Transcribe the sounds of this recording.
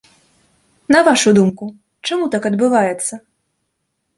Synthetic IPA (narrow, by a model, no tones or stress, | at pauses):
nɐvaʂud̪umku | t͡ʂamut̪akɐd̪bɨvajɛt̪sːɐ